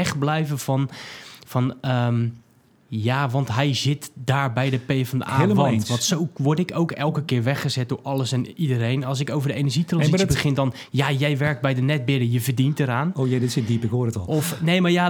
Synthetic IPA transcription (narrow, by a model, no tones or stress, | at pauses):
ɛχblɛjvənfɔnfɔnəm | jaʋɑntɦɛjzɪtdaːɹbɛjdəpeːfɔndə̰aːləʋntnʋɑntsowʋɔɹtɪkowkɛlˠkəkɪːɹʋɛχəzɛt̚dʊɹɔlˠəsɛnidəɾejnɔlˠs̬ɪkowvərdəeːnərʒitrɔnisibəxɪndɔn | jajɛjʋɛrk̚t̚bɛjdənɛt̚bɪdəjəvərdintəɾaːnoːjɛdɪtsɪt̚dipɪkɦoːrətɔlˠɔfnejmaja